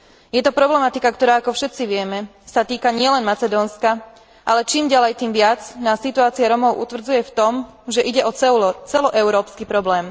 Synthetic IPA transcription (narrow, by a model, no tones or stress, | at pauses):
jɛt̪ɔpɾɔblɛmat̪ikakt̪ɔɾaːakɔfʃɛt̪t͡siʋɪɛmɛ | sat̪iːkaɲɪɛlɛnmat͡sɛd̪ɔːnska | ʔalɛt͡ʃiːmɟalɛjt̪iːmʋɪat͡snaːsːit̪uaːt͡siaɾɔmɔʊʔṵt̪ʋr̩d͡zujɛft̪ɔm | ʒɛʔiɟɛʔɔt͡sɛt͡sɛlɔʔɛʊɾɔːpskipɾɔblɛːm